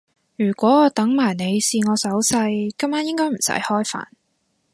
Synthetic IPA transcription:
jyː˨˩kʷɔː˨˥˧t̪ɐ˨˥ŋmaː˨˩jne˨˧jsiː˨˧ŋɔː˨˧sɐ˨˥wsɐ˧jkɐ˨˥maː˨˥njɪ˥ŋkɔː˥m̩˨˩sɐ̰˨˥jhɔː˥jfa̰ː˨˩n

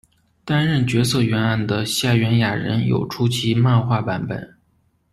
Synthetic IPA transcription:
t̪a˥nɻə˥˩nt͡ɕɥɛ˧˥sɤ˥˩ɥɛ˧˥na˥˩nd̪ə˩ɕja˥˩ɥɛ˧˥nja˨˩ɻə̰˧˥njo̰˨˩ʊʈ͡ʂʰu˥t͡ɕʰi˧˥ma˥˧nxwa˥˩pa˧˥npə̰˨˩˦n

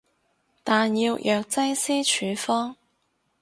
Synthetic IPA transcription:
t̪aː˨nji˧wjʔœː˨˧k̚t͡sɐ˥jsiː˥t͡ʃʰyː˨˧fɔː˥ŋ

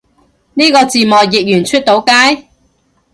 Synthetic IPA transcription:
niː˥kɔː˧t͡siː˨mɔː˨jjɪ˨k̚jyː˨˩nt͡ʃʰɵ˥t̚t̪o˨˧˥wkaː˥j

